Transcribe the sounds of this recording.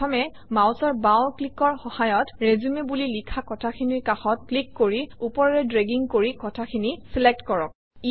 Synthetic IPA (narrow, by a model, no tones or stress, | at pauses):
ɔmɛ | mawsɔɹbawklikɔɹxɔhajɔtɹezumebulilikʰakɔtʰaxʰiniɹkaxɔt̚klikːoɹiupɔɹɔɹɛdɹeɡiŋkoɹikɔtʰakʰinisilek̚tkɔɹɔk̚ | i